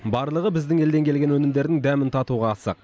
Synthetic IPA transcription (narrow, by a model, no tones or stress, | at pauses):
bɑɾlˠəʁəbɪzd̪ɪŋe̞ld̪e̞ŋkʲʰe̞lɡʲe̞nwɵnɪmd̪e̞ɾd̪ɪŋd̪æmɪnt̪ʰɑt̪uʁɑːsɑ̰q̚